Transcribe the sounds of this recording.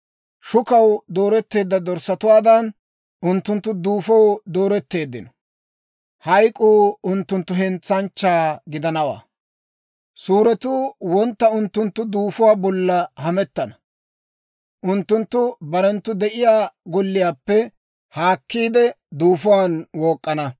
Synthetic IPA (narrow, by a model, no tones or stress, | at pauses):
ʃʊkɐwd̪o̞ːɾɛt̪ːe̞ːd̪ːɐd̪ɔɾsɐt̪ʊwaːd̪ɐn | ʊnt̪ːʊnt̪ːʊd̪uːfɔwd̪o̞ːɾɛt̪ːe̞ːd̪ːɪnɔ̥ | hɐjkʼuːʊnt̪ːʊnt̪ːʊɦɛnt͡sːɐnt͡ʃːaːɡɪd̪ɐnɐwa̰ː | suːɾɛt̪uːwɔnt̪ːɐʊnt̪ːʊnt̪ːʊd̪uːfʊwaːbɔlːɐhɐmɛt̪ːɐnɐ | ʔʊnt̪ːʊnt̪ːʊbɐɾɛnt̪ːʊd̪ɛʔɪjaːɡɔlːɪjaːpːɛ | haːkːiːd̪ɛ | d̪uːfʊwanwɔːkʼːɐnɐ